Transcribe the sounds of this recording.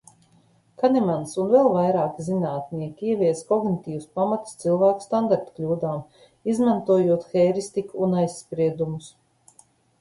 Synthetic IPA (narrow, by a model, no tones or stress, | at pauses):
kanɛmansunvɛlˠvajɾaːkzinaːt̪niɛkʲiiɛviɛskɔɡnit̪ʲiːwuspamat̪st̪silˠvæːku̥st̪and̪aɾt̪u̥klʲuːd̪aːm | izmant̪uɔjuɔt̪xɛjɾist̪ikuːnajsːpɾiɛd̪umus